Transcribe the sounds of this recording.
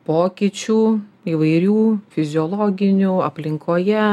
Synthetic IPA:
poːkʲiːt͡ʃʲuːiːʋɐɪɾʲuːfʲɪzʲɪɔːlˠoːɡʲɪnʲuːɐpʲlʲɪŋkoːjɛ

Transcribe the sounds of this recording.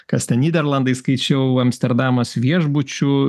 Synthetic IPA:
kɐst̪ʲɛnnʲiːd̪ʲɛɾlˠɐnd̪ɐɪskɐɪt͡ʃʲɛʊɐmʲsʲt̪ʲɛɾd̪ɑːmɐsʋʲiɛʒbʊt͡ʃʲʊ

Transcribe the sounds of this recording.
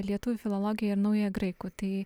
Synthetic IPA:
lʲiɛt̪uːʋʲʊfʲɪlˠolˠoːɡʲɪjɛɪɾnɐʊjojɡɾɐɪkʊːt̪ɐɪ

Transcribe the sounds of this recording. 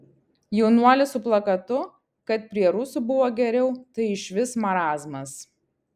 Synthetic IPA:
jɛʊnuɔlʲɪsʊplˠɐkɐt̪ʊ | kɐt̪̚pʲɾʲiɛɾʊsʊbʊʋoːɡʲɛɾʲɛʊt̪ɐɪɪʃʲʋʲɪsmɐɾɑːzmɐs

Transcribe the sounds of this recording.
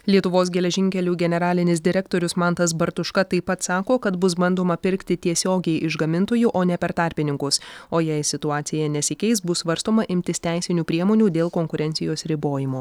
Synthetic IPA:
lʲiɛt̪ʊʋoːs̬ɡʲɛlʲɛʒʲɪŋʲkʲɛlʲuːɡʲɛnʲɛɾɑːlʲɪnʲɪs̬d̪ʲɪɾʲɛkt̪oːɾʲʊsmɑnt̪ɐs̬bɐɾt̪ʊʃkɐt̪ɐɪpɐt̪sɑːkoːkɐt̪bʊs̬bɐnd̪oːmɐpʲɪɾʲkt̪ʲɪt̪ʲiɛsʲoːɡʲɛɪʔɪʒɡɐmʲɪnt̪oːjuːʔoːnʲɛpʲɛɾt̪ɑˑɾʲpʲɪnʲɪŋkʊsoːjɛɪsʲɪt̪ʊɑːt̪sʲɪjɛnʲɛsʲɪkʲɛɪsbʊssʋɐɾst̪oːmɐʔɪmʲt̪ʲɪst̪ʲæɪsʲɪnʲuːpʲɾʲiɛmoːnʲuːd̪ʲeːlˠkoːŋkʊɾʲɛnt̪sʲɪjoːsɾʲɪboːjɪmoː

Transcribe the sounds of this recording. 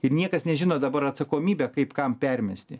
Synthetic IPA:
ɪɾnʲiɛkɐsnʲɛʒʲɪnoːd̪ɐbɐɾɐt̪sɐkoːmʲiːbʲɛːkɐɪpkɐmpʲɛrʲmʲɛsʲt̪ʲɪ

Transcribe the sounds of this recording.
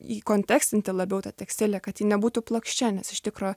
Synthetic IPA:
iːkoːnʲt̪ʲækst̪ʲɪnʲt̪ʲɪlˠɐbʲɛʊt̪ɐt̪ʲɛksʲt̪ʲɪːlʲekɐt̪jiːnʲɛbuːt̪ʊplˠokʃʲt͡ʃʲɛnʲɛsɪʃt̪ʲɪkɾoː

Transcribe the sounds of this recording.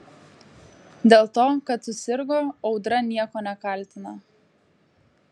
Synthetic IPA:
d̪ʲeːlˠt̪oːkɐt̪sʊsʲɪɾɡoːɒʊd̪ɾɐnʲiɛkoːnʲɛkɐˑlʲt̪ʲɪnɐ

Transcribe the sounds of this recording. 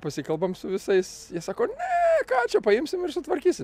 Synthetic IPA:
pɐsʲɪkɐlˠbɐmsʊʋʲɪsɐɪsjiɛsɑːkoːnʲɛkɑːt͡ʃʲɛpɐɪmʲsʲɪmɪrsʊt̪ʋɐɾʲkʲiːsʲɪm

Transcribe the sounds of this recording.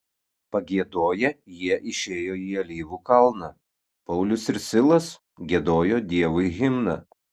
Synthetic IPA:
pɐɡʲiɛd̪oːjɛjiɛʔɪʃʲeːjoːjiːɐlʲiːʋuːkɐlˠnɐ | pɐʊlʲʊsɪɾsʲɪlˠɐs | ɡʲiɛd̪oːjoːd̪ʲiɛʋʊɪɣʲɪmnɐ

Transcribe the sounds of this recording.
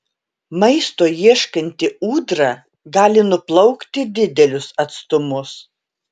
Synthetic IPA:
mɐɪst̪oːjiɛʃkɐnʲt̪ʲɪuːd̪ɾɑ | ɡɑːlʲɪnʊplˠɒʊkt̪ʲɪd̪ʲɪd̪ʲɛlʲʊsɐt̪st̪ʊmʊs

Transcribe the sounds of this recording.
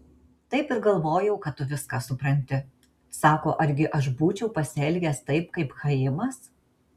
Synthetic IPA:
t̪ɐɪpɪɾɡɐlˠʋoːjɛʊkɐt̪t̪ːʊʋʲɪskɑsʊpɾɐnʲt̪ʲɪ | sɑːko̰ːʔɐɾʲɡʲɪʔɐʃbuːt͡ʃʲɛʊpɐsʲɛlʲɡʲɛst̪ɐɪpkɐɪpxɐɪmɐs

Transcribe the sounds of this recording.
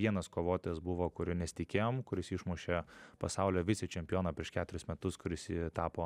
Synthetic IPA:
ʋʲiɛnɐskoːʋoːt̪ʲːsbʊʋoːkʊɾʲɪnʲɛsʲt̪ʲɪkʲeːjoːmkʊɾʲɪsɪʃmuʃʲeːpɐsɑʊlʲɛʋʲɪsʲɪt͡ʃʲɛmʲpʲjoːnɑpʲɾʲiɛʃkʲæːt̪ʊɾʲɪsmʲɛt̪ʊskʊɾʲɪsit̪ɑːpoː

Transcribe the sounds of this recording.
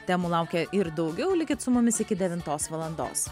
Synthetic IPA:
t̪ʲæːmuːlˠɑʊkʲɛʔɪɾd̪ɒʊɡʲɛʊlʲɪkʲɪt̪sʊmʊmʲɪsɪkʲɪd̪ʲɛʋʲɪnt̪oːsʋɐlˠɐnd̪o̰ːs

